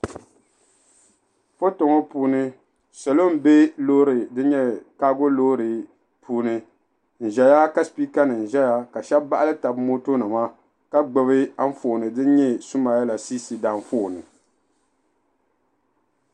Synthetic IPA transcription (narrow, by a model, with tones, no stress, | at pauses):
fo˦to˨ŋo˦puː˦nɨ˦ | sɛ˨lo˦m˦be˦lo˦ɾɨ˨dɨ˦ɲɛ˦kaː˦ɡo˦lo˦ɾɨ˨ | pʰuː˦nɨ˦ | n̩˨ʒɛ˨ja˦ka˦spi˦ka˦nɨ˨n̩˨ʒɛ˦ja˦ka˨ʃɛ˦bba˦ʔa˦lɨ˦ta˨bmo˦to˦nɨ˨ma˦ | ka˦ɡ͡bɛ˨βɨ˦a˦ɱ̩˦fo˨nɨ˨dɨ˦ɲɛ˦su˦maː˨˦ja˦la˨siː˦si˨da˨ɱ˦foː˦˨nɨ˨